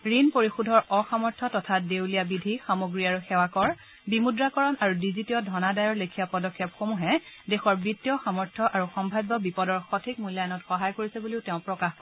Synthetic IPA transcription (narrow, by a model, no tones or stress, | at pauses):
ɹinpoɹixudʱɔɹɔxamɔɹtʰɔtɔtʰadewlijabidʱixamoɡɹiaɹuxɛwakɔɹ | bimudɹakɔɹɔnaɹudizitiɔdʱɔnadajɔɹlekʰijapɔdɔkʰːjɔpxomuɦɛdexɔɹbitːjɔxamɔɹtʰɔʔaɹuxɔmbʱaɡɔbipɔdɔɹxɔtʰik̚mujlajnɔtxɔɦajkoɹisɛbuliʊteʊ̃pɹɔkax